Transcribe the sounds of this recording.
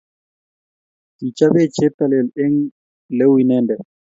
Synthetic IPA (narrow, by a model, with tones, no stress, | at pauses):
ti˨t͡ʃa˦βe˦t͡ʃe˦t̪a˨lɛ˨le˦ŋ | lɛ˦wi˨nɛ˦ndɛ˨